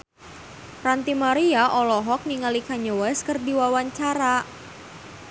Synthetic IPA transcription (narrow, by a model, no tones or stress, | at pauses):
rant̪imaɾiaʔɔlɔɦɔk̚niŋalikaɲowɛskərdiwawaɲt͡ʃaɾa